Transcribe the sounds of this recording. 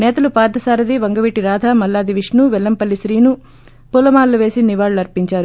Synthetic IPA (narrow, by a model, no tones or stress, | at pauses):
nɛːt̪ɐlupaːɾd̪ʱɐsaːɾɐd̪iʋɐŋɡɐʋiːʈiɾaːd̪ʱaːmɐlːaːd̪iʋiʂnuʋɛlːɐmpɐlːisɾiːnu | pulɐmaːɾluʋe̞ːsiniʋaːɭuɐɾpiɲt͡ʃaːɾu